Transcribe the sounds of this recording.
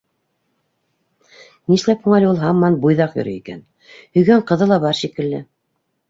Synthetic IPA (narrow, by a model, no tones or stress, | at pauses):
niʃlæphuɴɑlʲulˠɦɑmːɑnbujðɑqjŏ̰ɾɘ̰ikæ̰n | hɵ̆jɡæɴqɤ̆ðɤlˠɑβɑɾʃikɘ̆lːɘ̰